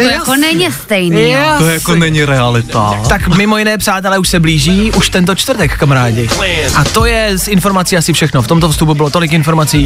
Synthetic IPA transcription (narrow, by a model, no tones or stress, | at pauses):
jakonɛɲɪst̪ɛjniojakonɛɲɪɾɛalɪt̪a̰t̪akmɪmojɪnɛːpr̝̥aːt̪ɛlɛuʃsɛbliːʒiːʔuʃt̪ɛnt̪o̞t͡ʃt̪vrɾt̪ɛkfkamaɾaːɟɪʔat̪o̞jɛsɪnfo̞ɾmat͡siːasɪfʃɛxnoft̪o̞mt̪ofst̪upubɪlot̪o̞lɪkɪnfo̞ɾmat͡siː